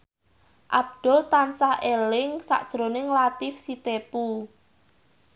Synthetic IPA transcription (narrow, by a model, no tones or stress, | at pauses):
ʔab̚d̪̥ʊlt̪ansahʔelɪŋsa̰ʔd̥ʒ̥ɾonɪŋlat̪ɪfsit̪epu